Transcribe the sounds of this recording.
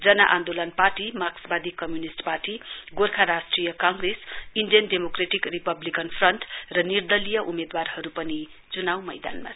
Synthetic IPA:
d͡zʌnaʔa̰nd̪olʌnparʈimaksbad̪ikʌmjunisʈparʈiɡorkʰaɾasʈrijʌkãŋɡresinɖijʌnɖemokreʈikripʌblikʌnpʰrʌnʈrʌnird̪ʌlijʌʔumed̪warhʌɾupʌni | t͡sunawmʌjd̪a̰nma̰

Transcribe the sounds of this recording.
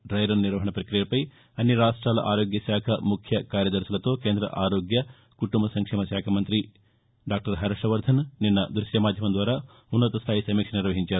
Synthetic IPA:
ɖɾɐjɾɐnniɾʋɐɦɐɳɐpɾɐkɾijɐpɐj | ɐnjɐɾaːʂʈɾaːlɐ̰ʔaːɾoːɡjɐʃaːkʰɐmukʰjɐkaːɾjɐd̪ɐɾsɐlɐt̪o̞ːkeːnd̪ɾɐ̰ʔaːɾoːɡjɐ | kuʈumbɐsɐŋkʂɛːmɐʃaːkʰɐmɐnt̪ɾi | ɖaːk̚ʈɐɾɦɐɾɐʂɐʋɐɾd̪ʱɐnninːɐd̪ɾuʃjɐmaːd̪ʱjɐmɐnd̪ʋaːɾaː | unːɐt̪ɐst̪ʰaːjisɐmiːkʂɐɐniɾʋɐɦiɲt͡ʃaːɾu

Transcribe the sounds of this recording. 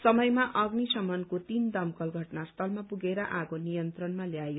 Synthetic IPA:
sʌmʌjmaʔʌɡnisʌmʌnkot̪ind̪ʌmkʌlɡʱʌʈnast̪ʰʌlmapuɡeɾʌʔaɡonijʌnt̪rʌnmaljajo

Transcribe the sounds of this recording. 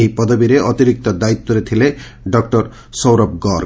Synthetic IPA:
ɦipɔd̪ɔbiɾeʔɔt̪iɾik̚t̪ɔd̪ait̪ːɔɾet̪ʰile | ɖɔkʈɔɾ | sɔwɾɔp̚ɡɔɾ

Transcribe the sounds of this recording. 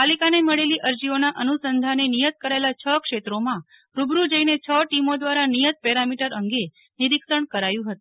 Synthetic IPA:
palikaneməɭeliʔəɾd͡ʒionaʔənusənd̪ʱanenijət̪̚kəɾaelat͡ʃʰəkʂet̪ɾomã | ɾubɾud͡ʒəinet͡ʃʰəʈimod̪ʋaɾanijət̪̚pɛɾamiʈəɾəŋɡe | niɾikʃəɳkəɾajũɦət̪u

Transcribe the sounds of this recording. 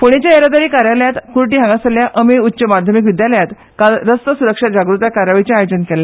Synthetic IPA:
foɽ̃et͡ɕjaeɾad̪aɾiːkaɾjaljat̪kuɾʈiːɦãŋɡasaljaʔəmeutːɕəmad̪ʱjəmik̬ʋid̪jaləjat̪ | kalɾəst̪əsuɾəkʂad͡ʑaɡɾut̪jakaɾaʋit͡ɕeajod͡zənkɛla

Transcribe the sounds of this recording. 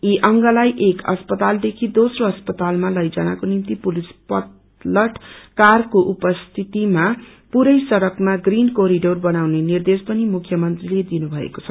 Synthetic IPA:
iʔʌŋɡʌlajʔekʌ̰spʌt̪ald̪ekʰid̪osroʌspʌt̪almalʌjd͡zanakonimt̪ipulispʌt̪ | lʌʈkarkoʔupʌst̪ʰit̪ima | puɾʌjsʌɾʌkmaɡrinkoɾiɖorbʌnawnenird̪espʌnimukʰjʌmʌnt̪riled̪inubʱʌḛko̥t͡sʰʌ̥

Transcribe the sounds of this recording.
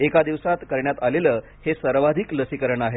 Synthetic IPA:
ekad̪iʋsat̪kəɾɳjat̪aleləː | hesəɾʋad̪ʱikləsikəɾəɳaɦe

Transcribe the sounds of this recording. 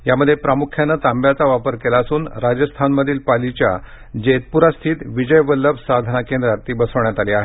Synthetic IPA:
jaməd̪ʱːjepɾamukʰjanːət̪ambjat͡saʋapəɾkelaəsuːnɾad͡ʑəst̪ʰanməd̪ʱiːlpalit͡ɕja̰ | d͡ʑet̪̚puɾast̪ʰiːt̪ʋid͡ʑəjʋəlːəbsad̪ʱnakẽnd̪ɾat̪iːbəsəʋɳjat̪aliaɦe

